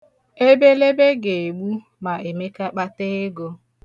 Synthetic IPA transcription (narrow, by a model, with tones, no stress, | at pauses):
e˦be˦le˦be˦ɡe˨e˨ɡ͡bu˦ | ma˨e˨me˦ka˦k͡pa˦te˦ɪ˦ɡo˦